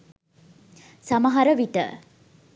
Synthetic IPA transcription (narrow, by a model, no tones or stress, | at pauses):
samɐɦɐɾəʋiʈə̰